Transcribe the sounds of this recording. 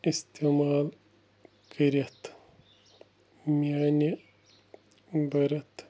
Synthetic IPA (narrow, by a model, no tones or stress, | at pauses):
ist̪eːmaːl | kɐɾɐt̪ʰ | miaːni | bɐɾɐt̪